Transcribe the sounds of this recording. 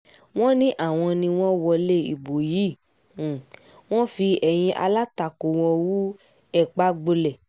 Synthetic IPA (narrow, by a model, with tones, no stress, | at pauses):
w̃ɔ̃˦nĩ˦ʔa˦˨w̃ɔ̃˧nĩ˧w̃ɔ̃˦wɔ˧le˦ḭ˨bo˨ji˨˦˨ | w̃ɔ̃˦fi˧ɛ˨j̃ĩ˧ʔa̰˧la˦ta˨ko˨w̃ɔ̃˧wu˦ | ɛ˦˨k͡pa˨˦ɡ͡bo˧lɛ˨